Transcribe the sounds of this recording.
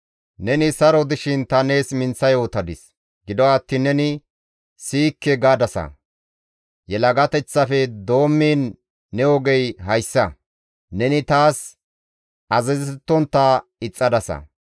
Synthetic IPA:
nɛnɪsɐɾɔd̪ɪʃɪnt̪ɐne̞ːsmɪnt͡sːɐjoːt̪ɐd̪ɪs | ɡɪd̪ɔɐt̪ːɪnɛnɪ | siːkːɛɡaːd̪ɐsɐ̰ | jɛlɐɡɐt̪ɛt͡sːɐfɛd̪o̞ːmːiːnː | ɛwɔɡɛjɦɐjsːɐ | nɛnɪt̪aːs | ɐzɛzt̪ːɔnt̪ːaːɪt͡sʼːɐd̪ɐsɐ̰

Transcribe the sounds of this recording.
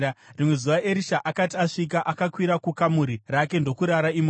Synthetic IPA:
rimwe̞zuʋaʔe̞ɾiʃaʔakatiaʂik̬aʔakakwiɾakukamuɾirake̞ndo̞kuɾaɾaimo

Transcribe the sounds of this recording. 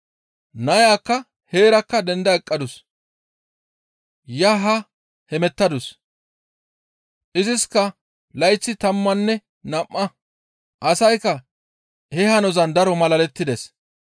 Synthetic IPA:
nɐjaːkːɐ | he̞ːɾɐkːɐd̪ɛnd̪ɐɛkʼːɐd̪ʊs | jɐɦɐ | hɛmɛt̪ːɐd̪ʊs | ʔɪzɪskːɐ | lɐjt͡sːɪt̪ɐmːɐnːɛ | nɐmːɐ | ʔɐsɐjkːɐ | hɛhɐnɔzɐnd̪ɐɾɔmɐlɐlɛt̪ːɪd̪ɛs

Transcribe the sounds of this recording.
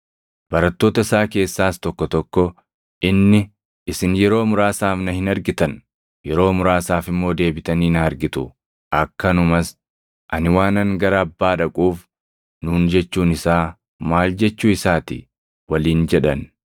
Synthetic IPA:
b̥ɐɾɐt̪ːo̞ːt̪ɐsaːke̞ːsːaːst̪ɔkːɔt̪ɔkːɔ | ʔɪnːɪ | ɪsɪnjɛɾo̞ːmʊɾaːsaːfnɐhɪnɐɾɡɪt̪ɐn | jɛɾo̞ːmʊɾaːsaːfɪmːo̞ːd̪e̞ːbɪt̪ɐniːnɐɐɾɡɪt̪ʊ | ʔɐkːɐnʊmɐs | ʔɐnɪwaːnɐŋɡɐɾɐːbːaːᶑɐkʼuːf | nuːnd͡ʒɛt͡ʃːuːnɪsaː | maːld͡ʒɛt͡ʃːuːɪsaːt̪ɪ̰ | wɐliːnd͡ʒɛᶑɐn

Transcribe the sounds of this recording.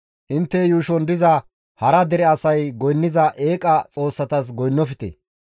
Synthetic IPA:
ʔɪnt̪ːɛjuːʃɔnd̪ɪzɐ | hɐɾɐd̪ɛɾɛɐsɐjɡɔjnːɪzɐʔe̞ːkʼɐt͡sʼo̞ːsːɐt̪ɐs̬ɡɔjnːɔfɪt̪ɛ̰

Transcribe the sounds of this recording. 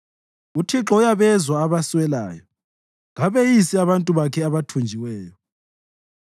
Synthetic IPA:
utʰiǁɔjaβɛzwaːβaswɛla̰ːjɔ | ŋaβejisiaβantʼuβakʰɛaβatʰund͡ʒʱiwɛːjɔ

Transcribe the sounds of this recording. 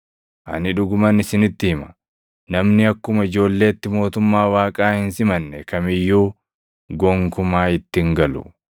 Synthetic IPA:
ʔɐ̰nɪᶑʊɡʊmɐnɪsɪnɪt̪ːɪhɪmɐ̥ | nɐmnɪɐkːʊmɐɪd͡ʒo̞ːlːe̞ːt̪ːɪmo̞ːt̪ʊmːaːwaːkʼaːhɪnsɪmɐnːɛkɐmɪjːuː | ɡɔŋkʊmaːɪt̪ːɪŋɡɐlʊ̰

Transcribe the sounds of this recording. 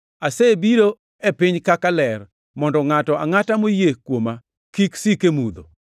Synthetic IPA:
asebiɾo | epɪɲkakalɛr | mɔndɔŋatɔaŋatamojekwoma | kiksikemud̪o̰

